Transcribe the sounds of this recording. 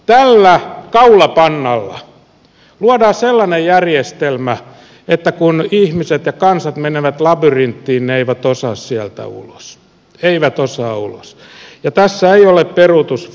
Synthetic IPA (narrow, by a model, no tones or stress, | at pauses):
t̪ælːækɑulɑpɑnːɑlːɑ̰ | luɑdɑːselːɑnejjærjest̪elmæ | et̪ːækunihmiset̪jɑkɑnsɑt̪meneʋæt̪lɑbyrint̪ːiːnneeiʋæt̪osɑːssiælt̪æ̰ṵlo̥s | eiʋæt̪osɑːṵlo̰s | jɑt̪æsːæeiolepperut̪us